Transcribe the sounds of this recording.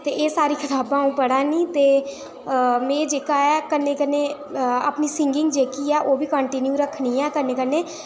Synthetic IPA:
t̪eːʔeːsaːɾiːkʰət̪aːbãːũːpəɽaːniːt̪eː | mẽːd͡ʒeːkaːɛːkənːeːkəneː | a̰ːpniːsɪŋɡɪ̃ŋɡd͡ʒeːkiːɛːʔoːbiːkə̃ːɳʈinjuːɾəkʰniːɛ̃ːkəneːkəneː

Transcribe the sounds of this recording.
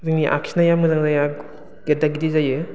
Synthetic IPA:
dɯŋniʔa̰kʰsinajamɯzaŋzaja | ɡedaɡidizajɯ

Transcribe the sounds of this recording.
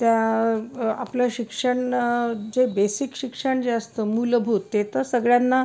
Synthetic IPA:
t̪ja | a̰pljaɕikʂəɳd͡ʑebesikɕikʂəɳd͡ʑeəst̪əmulbʱut̪ːet̪əɾsəɡɭjanːa

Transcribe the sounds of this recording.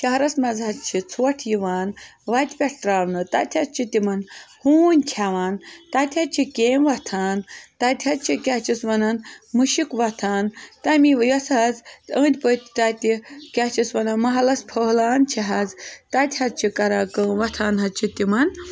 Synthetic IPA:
tʰʲɐɦɐɾɐsmɐzɦɐt͡ʃʰit͡sʰʋɐʈʰjiʋaːnʋɐt̪ʲpʲeʈʈɾaːwnɨt̪at̪ʲʰɐt͡ʃʰit̪ʲimɐnhuːnʲt̪ʲʰaʋaːnt̪at̪ʲɐt͡ʃʰikʲeːmʋɐt̪ʰaːnt̪at̪ʲʰɐt͡ʃʰikʲat͡ʃʰisʋɐnɐnmuʃikʋɐt̪ʰaːnt̪ɐmijɐsɦɐd͡zəːnt̪ʲpət̪ʲt̪at̪ʲikʲat͡ʃʰisʋɐnɐnmɐɦɐlɐspʰoɦlaːnt͡ʃʰiɦɐzt̪at̪ʲʰɦɐt͡ʃʰikɐɾaːkɐʋɐt̪ʰaːnɦɐt͡ʃʰit̪ʲimɐn

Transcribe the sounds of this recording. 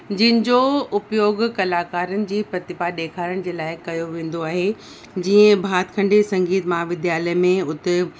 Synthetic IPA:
d͡ʑɪ̃ɦɪ̃ɲd͡ʑoʊpjoːɡkɐlaːkaːɾənɪ̆d͡ʑiːpɾɐt̪ɪpaɗeːkʰaːɾənɪ̆d͡ʑeːlaːɪkːɐjoʋẽːn̆d̪oaːɦe | d͡ʑiːə̃bʱaːt̪kʰɐ̃ɳɖesɐ̃ŋɡiːt̪maɦaʋɪd̪jaːləjmẽʊt̪e

